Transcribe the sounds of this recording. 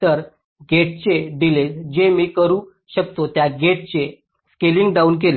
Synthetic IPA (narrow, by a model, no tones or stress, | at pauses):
t̪əɾ | ɡeʈ̚t͡ɕeɖiled͡ʑemiːkəɾuː | ɕək̚t̪ot̪jaɡeʈ̚t͡ɕe | skeliŋɡɖauːnk̬el